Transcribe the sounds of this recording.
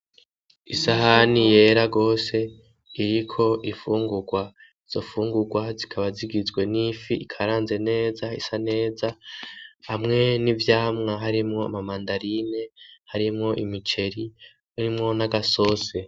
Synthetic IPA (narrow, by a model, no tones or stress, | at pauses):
isaɦanije̞ːɾaɡo̞ːse̞ | iɾikʰo̞ʔifuːŋɡuɡwa | iz̥o̞fuːŋɡuɡwazikʰaβaziɡizɡwe̞nifiʔikʰaɾaːnze̞ne̞ːzaḭsane̞ːza | hamŋe̞nivjaːmŋaɦaɾimŋo̞a̰mamaːndaɾine̞haɾimŋo̞ʔimit͡ʃe̞ɾi | uɾimŋo̞naɡaso̞se̞